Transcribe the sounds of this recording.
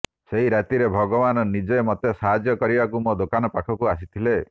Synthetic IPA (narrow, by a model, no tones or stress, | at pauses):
seɦiɾat̪iɾebʱɔɡɔbanɔnid͡ʒemɔt̪esaɦad͡ʒjɔkɔɾibakumod̪okanɔpakʰɔkuasit̪ʰile